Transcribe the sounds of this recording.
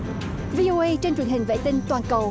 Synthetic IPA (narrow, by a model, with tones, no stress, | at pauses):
vi˧ʔo˧ʔə˧jt͡ɕe˧nt͡ɕwə˨˩ənhɦï˨˩ŋ̟vḛ˧˨t̪ï˧ŋ̟t̪waː˨˩nkə˨˩w